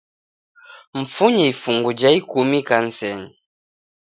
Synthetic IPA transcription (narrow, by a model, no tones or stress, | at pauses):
m̩fuɲɛifuŋɡud͡ʒaikumikan̩sɛn